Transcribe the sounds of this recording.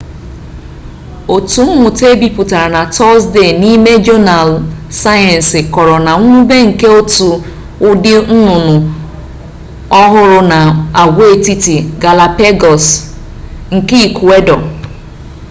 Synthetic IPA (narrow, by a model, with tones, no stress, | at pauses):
o˨tu˨m̩˦mʊ˨te˦bi˨pu˨ta˨ɾa˨na˨tɔ˦sde˦˨ni˦me˦d͡ʒo˦na˨lsa˦ja˨n̩˨sɪ˨kɔ˨ɾɔ˨na˨ŋʷ˦u˦be˦ŋ̩˨ke˦o˦tu˨ | ʊ˦dɪ˦n̩˦nʊ˨nʊ˨ | ɔ˦ɦʊ˦ɾʊ˦na˨a˨ɡʷe˦˨ti˦ti˨ɡa˨la˨pe˦ɡɔ˨s | ŋ̩˨ki˦˨ku˨e˦dɔ˨